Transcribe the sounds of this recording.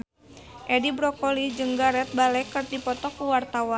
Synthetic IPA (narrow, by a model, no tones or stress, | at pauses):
ʔɛdibɾɔkolid͡ʒɨŋɡaɾɛt̪̚balɛkərt̪ipɔt̪ɔkuwart̪awa